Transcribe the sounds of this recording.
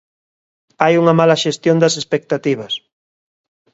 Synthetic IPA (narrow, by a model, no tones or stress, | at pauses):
ajuŋɐmalɐʃest̪jond̪ɐsespek̚t̪at̪iβ̞ɐs